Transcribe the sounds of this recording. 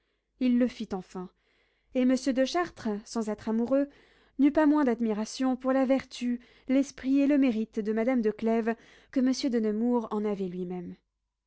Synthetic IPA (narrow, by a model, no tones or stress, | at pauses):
ilːəfit̪ɑ̃fɛ̃ | eməsjød̪əʃaʁt̪χəsɑ̃zɛt̪χamuʁø | nypamwɛ̃d̪ad̪miʁasjɔ̃puʁlavɛʁt̪y | lɛspχieləmeʁit̪d̪əmad̪amd̪əklɛv | kəməsjød̪ənəmuʁɑ̃navɛlɥimɛm